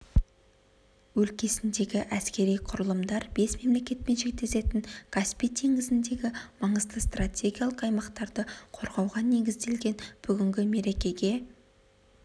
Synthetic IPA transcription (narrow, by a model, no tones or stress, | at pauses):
wɵlkʲe̞sɪnd̪e̞ɡʲɪʔæskʲe̞ɾijqʰʊɾəlˠəmd̪ɑɾbe̞sme̞mle̞kʲe̞t̪̚pe̞nʒe̞k̚t̪e̞se̞t̪ɪŋɡ̥aspijt̪ʰe̞ŋɡʲɪzɪnd̪e̞ɡʲɪmɑɴəzt̪əst̪rat̪ʲʰe̞ɡʲijalˠəqɑjmɑqt̪ɑɾd̪əqʰo̞ɾʁɑwʁɑne̞ɡʲɪzd̪e̞lɡʲe̞nb̥ʏɡʲɪŋɡʲɪme̞ɾe̞kʲe̞ɡʲe̞